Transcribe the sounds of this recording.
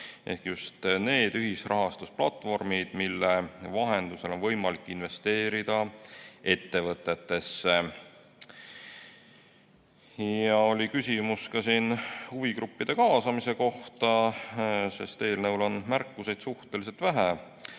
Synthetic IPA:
ʔe̞̰hkjust̪ne̞ːd̪̥yɦisrɑɦɑst̪usplɑt̪ːˑvo̞rmid̪̥milːevɑɦe̞nd̪̥use̞lo̞nvɤ̞jmɑlikːˑinve̞st̪e̞ːɾid̪̥ɑe̞t̪ːe̞vɤt̪ːˑe̞t̪ːe̞sːe | jɑolʲikysʲimuskɑsiːnhuvikɾupːid̪̥e̞kɑːsɑmise̞ko̞ht̪ɑ | se̞̰st̪e̞ːlnɤwlo̞nmærkːuse̞jd̪̥suht̪e̞lis̬e̞lt̪væɦæ

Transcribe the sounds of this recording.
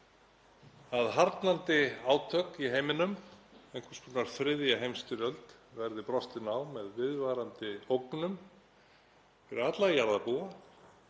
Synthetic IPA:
aðɦaɾt̪nant̪ɪaːwt̪ʰœkiɦejmɪnʏmejŋkʰvɛ̥spunaɾ̥θɾɪðjaɦejmst̪ʏɾœlt̪ | vɛɾðɪpɾɔst̪ɪnaːwmɛðvɪðvaːɾant̪ɪowknʏm | fɪɾɪat̪lajaɾðapua

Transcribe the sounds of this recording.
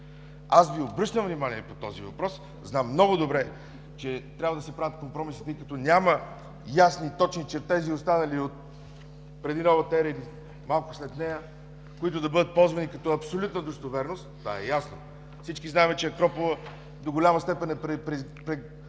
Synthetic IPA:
asviobɾɤʃnəvnimaniɛpot̪ɔzivɐpɾɔs | znamːnɔɡʊd̪obɾɛ | t͡ʃɛt̪ɾʲabvɐəd̪ɐsɛpɾavət̪kompɾɔmisi̥t̪əjkɐt̪ɔnʲamɐ | jasnit̪ɔt͡ʃnit͡ʃɛt̪ɛziost̪anɐliot̪ | pɾɛd̪inɔvət̪ɛɾəili | malˠkʊ̥slɛt̪nɛjə | koit̪ʊd̪ɐbɤd̪ət̪̚pɔlˠzvɐnikɐt̪ɔɐpsolʲut̪nəd̪ost̪ovɛɾnost̪t̪ːva̰ɛjasno | fsit͡ʃkiznaɛmɛt͡ʃɛɐkɾɔpolˠə | d̪oɡolʲamɐst̪ɛpɛnɛpɾɛpɾɛpɾɛ

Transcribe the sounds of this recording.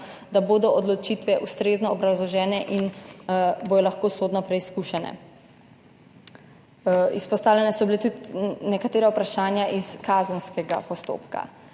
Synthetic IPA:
d̪aboːd̪ɔʔɔd̪lɔt͡ʃit̪ʋɛʔust̪ɾeːznɔːbɾawzlɔʒɛːnɛʔin | boːj̪ɔlaxkoːsoːd̪nɔpɾɛiskuʃɛnɛ̰ | ispɔst̪aːwlʲɛnɛsɔbilet̪ut̪nɛkat̪eːɾaupɾaʃaːnjaʔiskazənskɛɡa̰pɔst̪o̰ːpka̰

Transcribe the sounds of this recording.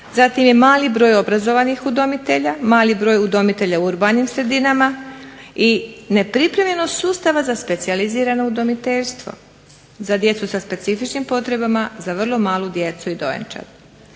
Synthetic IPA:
zat̪imje̞maːlibɾo̞ːjo̞bɾazo̞ʋanixud̪o̞mit̪e̞ʎamaːlibɾo̞ːjud̪o̞mit̪e̞ʎauuɾbanimsɾe̞d̪inama | ine̞pɾipɾe̞mʎe̞nost̪suːst̪aʋazaspe̞t̪sializiːɾano̞ud̪o̞mit̪eʎst̪ʋo̞̰ | zad̪je̞t̪susaspe̞t̪sifit͡ʃnimpo̞t̪ɾe̞bamazaʋr̩lˠo̞maːlˠud̪je̞t̪suid̪o̞̰jḛnt͡ʃa̰d

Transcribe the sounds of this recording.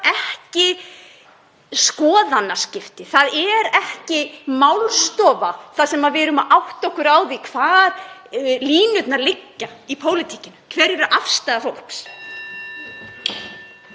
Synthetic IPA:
ɛhcɪ | skɔːðanːascɪft̪ɪθaðɛɾɛhcɪmawlst̪ɔːvaθaðsɛmaðvɪɾʏmaʔawht̪aɔhkʏɾaːwðikʰv̥aːɾliːnʏt̪nalɪkːaipʰoːwlɪt̪ʰiːcɪnʏkʰvɛɾɛɾʏʔafst̪aðafowl̥ks

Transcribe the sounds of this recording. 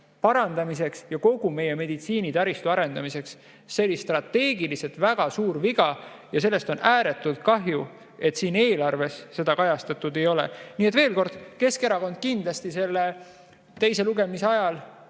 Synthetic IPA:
pɑɾɑnd̪ɑmis̬e̞ksjɑko̞ɡ̥ume̞je̞me̞d̪̥it̪siːnit̪ɑɾist̪uɑɾe̞nd̪ɑmise̞ksː | e̞lːist̪rɑt̪ːe̞ːɡiliset̪væɡ̥ɑsuːɾviɡ̥ɑjɑs̬e̞lːe̞st̪o̞næːɾe̞t̪ːˑult̪̚kɑɦju | e̞t̪siːne̞ːlɑrve̞sːe̞d̪ɑkɑjɑst̪ɑt̪ːˑud̪e̞jo̞lḛniːet̪ve̞ːlko̞rd̪̥ke̞skeɾɑko̞nd̪̥̚kind̪lɑst̪ise̞lːe | t̪e̞jse̞luɡe̞miseɑjɑl

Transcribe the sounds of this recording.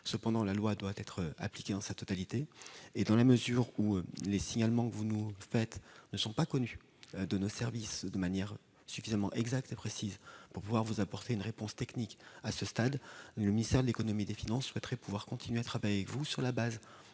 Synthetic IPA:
səpɑ̃d̪ɑ̃lalwad̪wat̪ɛt̪χa̰plikʲed̪ɑ̃sat̪ɔt̪alit̪eːd̪ɑ̃laməzyʁulesiɲalmɑ̃kəvunufɛt̪nəsɔ̃pakɔny | d̪ənosɛʁvisd̪əmanjɛʁ | syfizamɑ̃ʔɛɡzak̚t̪epχesizpuʁpuvwaʁvuzapɔʁt̪eynʁepɔ̃st̪ɛknikasəst̪ad̪ləminist̪ɛʁd̪əlekɔnɔmid̪efinɑ̃sːwɛt̪χʁɛpuvwaʁkɔ̃t̪ʰinɥeat̪χavajeavɛkvusyʁlabaz

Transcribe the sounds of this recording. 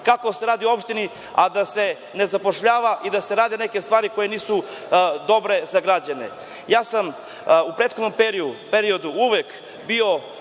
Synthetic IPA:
kako̞seɾaːd̪ioo̞pʃt̪ini | ad̪ase̞ | nezapoʃʎaːʋaʔid̪ase̞ɾaːd̪eneke̞st̪ʋaːɾiko̞jeniːsu | d̪o̞bɾe̞zaɡɾad͡ʑanḛ | jaːsam | upɾeːt̪xod̪nompɾipeɾiod̪uuʋek | bio̞

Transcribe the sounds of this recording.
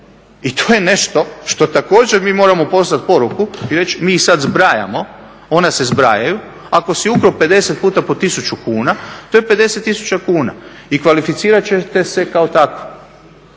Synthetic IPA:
it̪ʰoːje̞ne̞ʃt̪o̞ʃt̪o̞t̪ako̞ːd͡ʒeɾmiːmo̞ːɾamo̞po̞snat̪̚po̞ɾukuiɾe̞t͡ʃmiːsad̪zbɾaja̰mo̞ | onase̞zbɾajaju | ako̞siukɾope̞d̪e̞se̞t̪̚puːt̪apo̞t̪isut͡ʃukuːnat̪oːjepe̞d̪e̞set̪ːisu̥t͡ɕakuːna̰ | ikʋalifit̪siːɾat͡ɕet̪e̞sekaot̪ako̥

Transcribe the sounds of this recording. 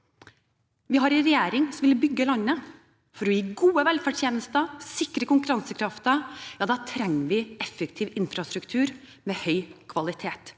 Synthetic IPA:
ʋɪɦɑɾɪɾɛjeːɾɪŋsɔʋɪlbʏɡːəlɑnːə | fɔɾɔjiːɡuːəʋɛlfəʈʰjeːnəst̪əsɪkːɾəkʊŋkʉɾɑnsəkʰɾɑft̪əjɑːd̪ɑːt̪ʰɾɛŋːəʋɪɛfːəkt̪ʰiːʋɪnfɾɑst̪ɾʉkt̪ʰʉːɾ | mɛhœʏkʰʋɑlɪt̪ʰeːt̪

